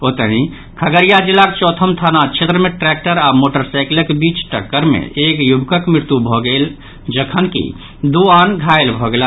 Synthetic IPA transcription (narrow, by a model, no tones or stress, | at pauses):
ot̪əɦĩ | kʰəɡəɾijad͡ʒilːakt͡ʃɔt̪ʰəmt̪ʰanat͡ʃʰet̪ɾəmeʈɾɛk̚ʈəɾamoʈəɾsaɪkləkbit͡ʃʈə̰kːəɾmḛekjubkəkmɾɪɾt̪jubʱɔɡel | d͡ʒəkʰənkḭ | d̪uanɡʱaelbʱɔɡela